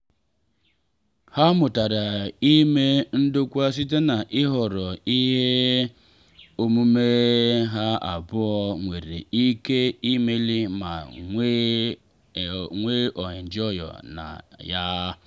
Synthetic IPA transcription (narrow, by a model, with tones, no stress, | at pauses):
ha˦mʊ˨ta˨ɾa˨i˦me˦n̩˦dʊ˦kʷa˦s̬i˦t̬e˦na˨ʔɪ˦ɦɔ˨ɾɔ˨i˦ɦe˦ | o˨mu˦me˦ɦa˦a̰˨bʊ˦ɔ˦ŋʷe˨ɾḛ˨i˦ke˦i˦me˦li˦ma̰˨˦ | ŋʷe˦ʔɔ˨ɲɪ˨n̩˨d͡ʒɔ˦jɔ̰˨na̰˨ja˦